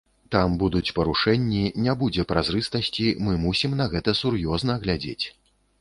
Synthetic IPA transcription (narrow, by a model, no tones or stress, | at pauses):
t̪ambud̪ut͡sʲpɐɾuʂɛnʲːinʲabud͡zʲɛpɾazɾɨst̪ɐsʲt͡sʲimɨmusʲimnɐɣɛt̪ɐsurjɔznɐɣlʲad͡zʲḛt͡sʲ